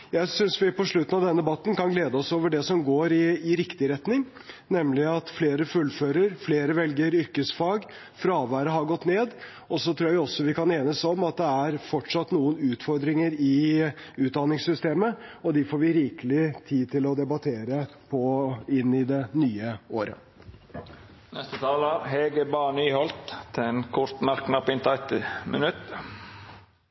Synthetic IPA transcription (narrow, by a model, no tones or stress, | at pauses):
jæɪsʏnsʋɪpɔʂɭʉt̪ːənɑʋd̪ɛnəd̪ɛbɑt̪ːn̩kɑnɡleːd̪əɔsoːʋəɖɛsɔmɡoːɾɪːɾɪkt̪ɪɾɛt̪nɪŋ | nɛmːlɪɑt̪fleːɾəfʉlːføːɾəɾfleːɾəʋɛlɡəɾʏɾkəsfɑːɡ | fɾɑːʋæːɾəɦɑɾɡɔt̪ːneːd̪ | ɔsɔt̪ʰɾuːɾjæʋɪɔsːɔʋɪkɑneːnəsɔmɑt̪̚d̪ɛæɾfɔʈʂɑt̪ːnuːənʉːt̪fɔɾd̪ɾɪŋəɾɪʉːt̪̚d̪ɑnɪŋsʏst̪eːməɔd̪ɪfoːɾʋɪɾiːkəlɪt̪ʰiːt̪ʰɪlɔd̪ɛbɑt̪ʰeːɾəpʰɔɪnːɪd̪ɛnyːəoːɾə̰ | nɛst̪ət̪ʰɑːləɾɦeːɡəbɑːɳyːhɔlt̪ʰːɛnkʰʊɾt̪mæɾknɑpɪnt̪ʰɑɪt̪ɪmə̰nʉt̪